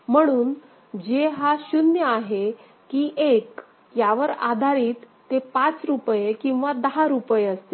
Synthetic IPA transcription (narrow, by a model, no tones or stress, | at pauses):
m̤əɽ̃uːn | d͡ʑeɦaɕunjəaɦe | kiːʔek | jaʋəɾa̰d̪ʱaɾiːt̪ːepat͡sɾupjekĩw̃ʋad̪əɦaɾupjeəst̪e